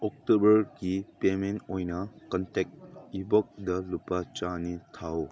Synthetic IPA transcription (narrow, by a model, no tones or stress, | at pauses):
ɔk̚tobəɾɡipementojnɐkɔntek̚ibɔk̚dɐlupat͡ʃanitʰaw